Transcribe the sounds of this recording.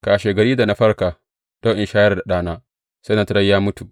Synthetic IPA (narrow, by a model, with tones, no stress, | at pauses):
kaː˨ʃe˨ɡɐ˨ɾiː˦da˨na˨ɸɐ˦ɾkaː˨ | d̥o˦ʔɪ˨nʃaː˦jɐ˦rda˨ɗaː˦naː˦ | sa˦na˨tɾɐ˦jjaː˦mʊ˦tu˨